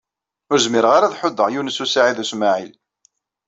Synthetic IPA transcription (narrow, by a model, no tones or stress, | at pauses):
ʊɾzmɪɾʁaɾaðħʊd̪ːəʁjunəsusaʕiðusmaʕil